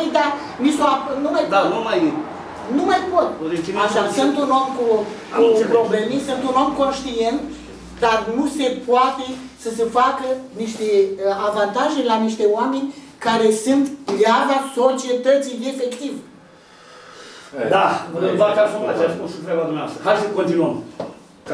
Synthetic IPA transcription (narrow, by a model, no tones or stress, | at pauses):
id̪a | nisoapnumajd̪anumaj | numajpot̪pod̪ek̪imaʃasɨnt̪uno̞mkukupɾoble̞mesɨnt̪uno̞mko̞nʃt̪ie̞nt̪ | d̪arnuse̞poat̪e̞səsefakəniʃt̪e̞avant̪aʒe̞laniʃt̪e̞oame̞nʲ | kaɾe̞sɨnt̪pljavaso̞t͡ʃie̞t̪ət̪sije̞fe̞kt̪iv | d̪anbakazomat͡ʃaskusut̪ɾeblad̪umnewa̰st̪əɦajsəkont̪inuəm | k